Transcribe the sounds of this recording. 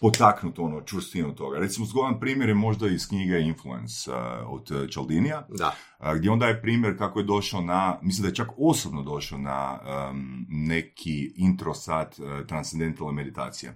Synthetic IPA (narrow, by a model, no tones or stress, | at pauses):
pot̪aknut̪o̞not͡ʃʋɾ̩st̪inut̪o̞ɡaɾet̪simozɡoanpɾiːmjeɾjemo̞ʒd̪aiskɲiɡeinfluḛnso̰d̪t͡ʃald̪inijad̪a | ɡd̪jeond̪ajepɾiːmjeɾkakoje̞d̪o̞ʃaonamislimd̪ajt͡ʃako̞sobnod̪o̞ʃaona̰ | ne̞kʰiint̪ɾo̞sat̪t̪ɾant̪send̪e̞nt̪alnemed̪it̪a̰ːt̪sije̞̰